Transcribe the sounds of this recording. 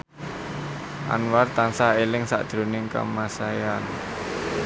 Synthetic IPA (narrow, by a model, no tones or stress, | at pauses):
ʔa̰nwart̪ansaelɪŋsa̰ʔd̪̥ɾo̤nɪŋkə̰masajan